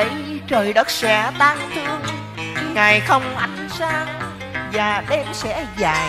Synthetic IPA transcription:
ə̰˧˩jt͡ɕəː˨˩jɗə˦˥t̚sɛ̰˧˥t̪aː˧ŋt̪ʰi˧əw | ŋaː˨˩jxə˧wŋ͡mʔa˧jŋ̟saː˧ | vaː˨˩ɗɛ˧msɛ̰˧˥zaː˨˩j

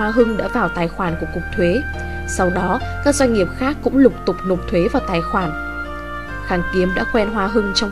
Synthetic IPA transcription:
a˧ɦɨ˧ŋɗa̰ː˧˥vaː˨˩wt̪aː˨˩jxwaː˧˩nku˧˩əkʊ˨˩k͡p̚t̪ʰwe˨˦ | sa˧wɗɔ˨˦kaː˦˥k̚zwa˧ŋ̟ŋi˨˩əp̚xaː˦˥kːʊ̰˧˥ŋ͡mlʊ˨˩k͡p̚t̪ʊ˨˩k͡p̚no˨˩p̚t̪ʰwe˨˦vaː˨˩wt̪aː˨˩jxwaː˧˩n | xaː˨˩nki˨˦əmɗa̰ː˧˥kwɛ˧nɦwaː˧ɦɨ˧ŋt͡ɕɔ˧ŋ͡m

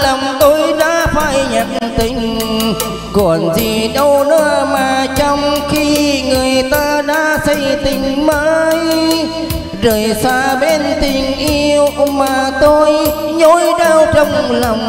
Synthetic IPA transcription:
la˨˩ŋ͡mt̪o˧jɗa̰ː˧˥faː˧˩jɲa˧˨nt̪ï˧˩ŋ̟ | kɔ˧˨˩nzi˨˩ɗə˧wɗəː˧maː˨˩t͡ɕɔ˧wŋ͡mxi˧ŋɨ˨˩əjt̪aː˧ɗa̰ː˧˥sə˧jt̪ï˧˩ŋ̟maː˧˦˥j | zəː˨˩jsaː˧ɓe˧nt̪i˨˩ŋ̟ʔi˧əwmaː˨˩˨t̪o˧j | ɲo˧˦jɗaː˧wt͡ɕə˧wŋ͡mlə˨˩wŋ͡m

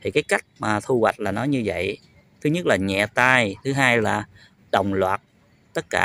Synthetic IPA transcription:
t̪ʰi˨˩kaː˨˦jka˦˥jk̟̚maː˨˩t̪ʰu˧hwa˨˩jt̟̚laː˨˩nɔ˨˦jɲɨ˧və̰˧˨j | t̪ʰɨ˨˦ɲə˦˥t̚laː˨˩ɲɛ̰˧˨t̪aː˧jt̪ʰɨ˨˦ɦaː˧jlaː˨˩ | ɗə˨˩wŋ͡mlwaː˨˩t̚ | t̪ə˦˥t̚kaː˧˩

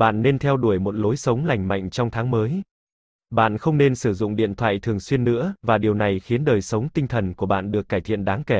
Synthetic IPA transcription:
ɓa̰ː˧˨nːe˧nt̪ʰɛ˧wɗu˧˩əjmo˨˩t̚lo˨˦jsə˨˦wŋ͡mla˨˩jŋ̟ma̰˧˨jŋ̟t͡ɕɔ˧wŋ͡mt̪ʰaː˨˦ŋməː˨˦j | ɓa̰ː˧˨nxə˧wŋ͡mne˧nsɨ˧˩zʊ̰˧˨ŋ͡mɗḭ˧˨ənt̪ʰwa̰ː˧˨jt̪ʰɨ˨˩əŋswi˧ənːɨ̰˧˥əvaː˨˩ɗi˨˩əwna˨˩jxi˨˦ənɗəː˨˩jsə˨˦wŋ͡mt̪ï˧ŋ̟t̪ʰə˨˩nku˧˩əɓa̰ː˧˨nɗɨ˨˩əkːaː˧˩jt̪ʰḭ˧˨ənɗaː˨˦ŋkɛ˧˩

